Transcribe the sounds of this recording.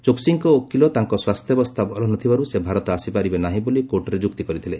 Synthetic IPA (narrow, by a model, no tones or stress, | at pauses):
t͡ʃoksiŋkɔokːilɔt̪aŋkɔswast̪ʰjɔbɔst̪ʰabɔɾɔnɔt̪ʰibaɾusebʱaɾɔt̪ɔasipaɾibenaɦĩbolikoʈɔɾed͡ʒuk̚t̪ikɔɾit̪ʰile